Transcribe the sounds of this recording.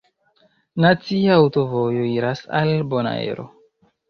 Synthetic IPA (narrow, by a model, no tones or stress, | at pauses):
nat͡siaːwtovo̞joiɾasa̰lbona̰ḛɾo̰